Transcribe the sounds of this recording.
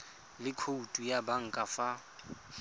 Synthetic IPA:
lɪkʰoutʼujabaŋ̩kʼafa

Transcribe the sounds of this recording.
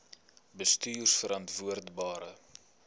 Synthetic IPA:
bəstyːrsfəɾɐntvuərdbɑːɾə

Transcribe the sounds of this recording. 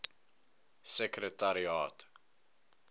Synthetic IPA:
səkɾətaɾiɑːt

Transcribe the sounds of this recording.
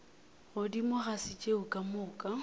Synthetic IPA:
ʊdimʊχasɪt͡ʃʼeʊkʼamʊːkʼa

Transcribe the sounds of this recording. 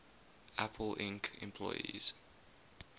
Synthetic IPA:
ʔæpʰəlʔɪ̃ŋkɪ̰̃mpʰlɔjḭz̥

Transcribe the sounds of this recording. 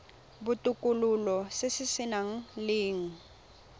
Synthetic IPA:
bʊtʼʊkʼʊlʊlɔsesɪsɪnaŋ̩lɪːŋ̩

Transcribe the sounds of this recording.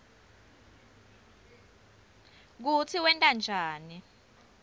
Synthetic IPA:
k̬ut͡sʰiwɛntʼand͡ʒʱaːni

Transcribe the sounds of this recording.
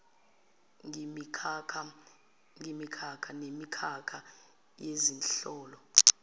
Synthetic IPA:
ŋimikʰkʰa | ŋimikʰakʰanemikʰakʰa | jezinɬɔːlɔ

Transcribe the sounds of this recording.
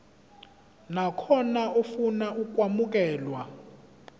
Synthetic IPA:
nakʰɔnaofunaʔuk̬ʼwamuk̬ʼɛːlwa

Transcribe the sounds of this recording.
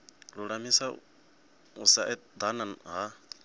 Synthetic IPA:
ɺuɺamisa | usaʔɛd̪ananɦa

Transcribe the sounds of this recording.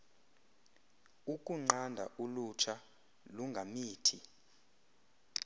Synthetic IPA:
uk̬ʼuŋ͡ǀandʱa̰ʔulut͡ʃʰa | luŋɡʱamiːtʰi

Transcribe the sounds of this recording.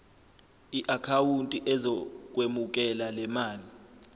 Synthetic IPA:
iʔakʰawuntʼiʔɛzɔk̬ʼwemuk̬ɛlalɛmaːli

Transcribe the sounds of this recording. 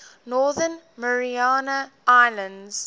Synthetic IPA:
nɔːðən | məɹiaːnə | aɪlə̃ndz̥

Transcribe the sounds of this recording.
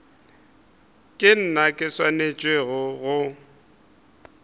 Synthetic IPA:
kʼɪn̩nakʼɪswanet͡ʃʼweɣʊɣʊ

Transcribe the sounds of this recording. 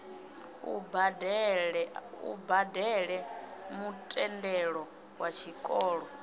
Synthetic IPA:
ubd | ṵbadɛɺɛmutʼɛndɛɺɔ | wat͡ʃʰikʼɔːɺɔ

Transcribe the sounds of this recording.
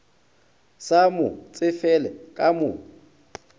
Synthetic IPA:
samʊt͡sʼɪfɛlɛkʼamʊ

